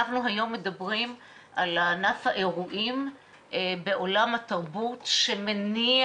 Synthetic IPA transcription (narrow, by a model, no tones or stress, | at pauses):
aχnuɦajo̞mːedɐbʁim | ʔalanafhaʔe̞ʁuʔim | be̞ʔo̞lamhat̪ɐʁbutʃemeni